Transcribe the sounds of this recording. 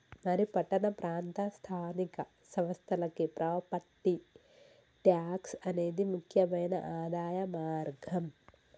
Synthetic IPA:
mɐɾipɐʈːɐnɐpɾaːnt̪ɐst̪ʰaːnikɐ | sɐʋɐst̪ʰɐlɐkːipɾʔɐʋɐpɐʈːi | ʈjaːksɐneːd̪imukʰjɐmɐjnɐ̰ʔaːd̪aːjɐmaːɾɡʱɐm

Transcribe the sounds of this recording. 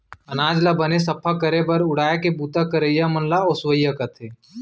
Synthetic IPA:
ɐnaːd͡ʒlabənes̬ɐpʰakəɾebɐɾʊɽaːekebuːt̪akəɾəjːamənlaoswəjakat̪ʰeː

